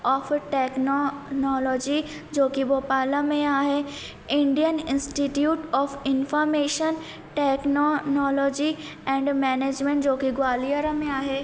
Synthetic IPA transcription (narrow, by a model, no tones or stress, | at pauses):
ɔːfʈeːknɔnɔːlɔːd͡ʒi | d͡ʒoːkiboːpaːləmẽaːɦe | ɪ̃ɳɖijənɪ̃nsʈiʈjuːʈɔːfɪnfɔːɾmeːʃən | ʈɛːknɔnɔːlɔːd͡ʒi | ɛ̃ːɳɖmɛːneːd͡ʑmẽɳʈd͡ʒoːkiɡʊwaːlijəɾəmẽaːɦeː